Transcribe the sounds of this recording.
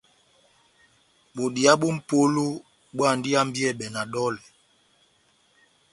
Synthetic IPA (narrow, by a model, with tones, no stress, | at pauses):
ɓo˨di˨a˦ɓu˦m̩˦po˦lo˦ | ɓwa˦˨ndi˦a˦m̩˦bi˦ɛ˦˨ɓɛ˨na˨dɔ˦lɛ˨